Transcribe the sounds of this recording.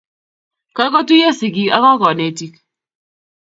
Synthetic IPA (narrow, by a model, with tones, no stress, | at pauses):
ka˦kɔ˦tu˦ja˦si˨k̬i˦a˦ðɔ˦kɔ˨ne˨ti˦k